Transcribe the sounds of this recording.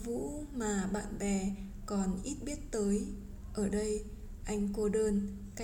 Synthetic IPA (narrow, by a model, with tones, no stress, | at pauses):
vṵ˧˥maː˨˩ɓa̰ː˧˨nɓɛ˨˩ | kɔ˨˩nʔi˦˥t̚ɓi˦˥ət̚t̪əː˨˦j | ʔəː˧˩ɗə˧j | ʔa˧jŋ̟ko˧ɗəː˧n | ka˦